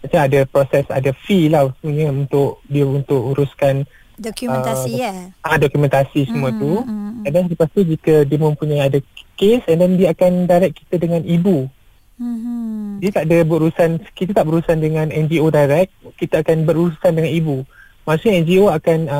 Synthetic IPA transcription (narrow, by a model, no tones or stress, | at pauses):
at͡ʃaadapɾɔsɛsa̰dafilahsəmuɲəunt̪ʊʔdiaunt̪ʊʔuɾuskan | ə | adɔkumɛ̃nt̪asisəmũat̪ukadansaləpast̪ud͡ʒikədiəmə̃mpuɲajadakesɛndɛndiaakandajɾɛkːi̥t̪adəŋãnibu | diət̪aʔdəbuɾusankit̪at̪aʔbəɾuusandəŋãnɛnd͡ʒiodajɾɛk̚kːit̪aakanbəɾuɾusandəŋãnibu | masuɲaɛnd͡ʒioakanə